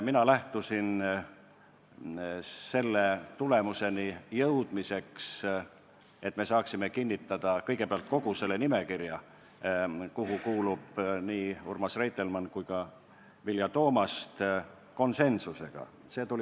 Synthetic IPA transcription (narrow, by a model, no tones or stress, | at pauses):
minɑlæht̪usin | se̞lːet̪ule̞muse̞nijɤwd̪̥mise̞ks | e̞t̪ːˑme̞sɑːksime̞kinʲːit̪ːˑɑd̪̥ɑkɤ̞jɡe̞peɑlt̪̚ko̞ɡ̥use̞lːe̞nime̞kirjɑ | kuɦukuːlub̥niːurmɑsrejt̪elmɑnkujkɑ | viljɑt̪o̞ːmɑst̪ | ko̞nse̞nsuse̞ɡ̥ɑ̰ | se̞ːt̪ulʲi